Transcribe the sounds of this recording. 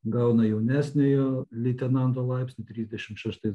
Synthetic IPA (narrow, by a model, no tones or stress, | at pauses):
ɡɐʊnɐjɛʊnʲæːsʲnʲejoːlʲit̪ʲɛnɑnt̪oːlˠɐɪpʲsʲnʲʊt̪ʲɾʲiːzʲd̪ʲɛʃʲɪmʃʲæʃt̪ɐɪ